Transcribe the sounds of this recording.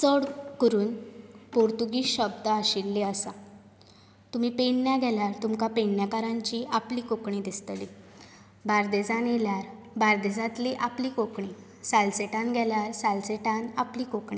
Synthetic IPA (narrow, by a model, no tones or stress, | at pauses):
t͡səɽkəɾuːnpoɾt̪uɡiːɕəbd̪əaɕilːeəsa | t̪um̤iːpeɳːjaɡʱɛljaɾt̪umkapeɳːjakaɾãɲt͡ɕiːʔapliːkokɳiːd̪ist̪li | baɾd̪ed͡zanjeljaɾ | baɾd̪ed͡zãt̪liʔapliːkokɳi | salseʈãnɡʱɛljaɾsalseʈãnapliːkokɳĩː